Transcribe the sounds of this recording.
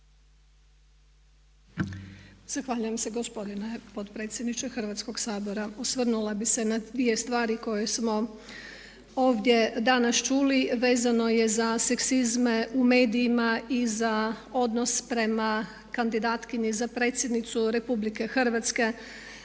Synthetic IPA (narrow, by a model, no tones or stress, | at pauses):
z̥axʋaʎujemse̞ɡo̞spo̞d̪inepo̞t̪pɾe̞ːt̪sjed̪nit͡ʃexr̩ʋat̪sko̞ɡsaːbo̞ɾaosʋrnulabisenad̪ʋije̞st̪ʋaːɾiko̞jesmo̞ | o̞ːʋd̪je̞d̪anast͡ʃuːliʋe̞ːzano̞je̞zase̞ksizmeume̞ːd̪ijːmaizao̞d̪no̞spɾe̞ma | kand̪id̪aːt̪kiɲizapɾe̞ːt̪sʲje̞d̪nit̪suɾe̞publike̞xrrʋat̪ske̞